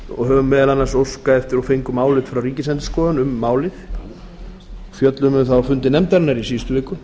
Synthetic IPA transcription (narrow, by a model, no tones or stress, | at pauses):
ɔ̰ɣɦœvʏmːɛːðalanːasowskaɛft̪ɪɾɔfejŋkʏmaːwlɪt̪fɾawɾiːcɪsɛnt̪ɪ̥skɔːðanʏmːaːwlɪθ | ɔɣfjœt̪lʏmʏθawfʏnt̪ɪnɛmt̪aɾnaɾisiːst̪ʏvɪːkʏ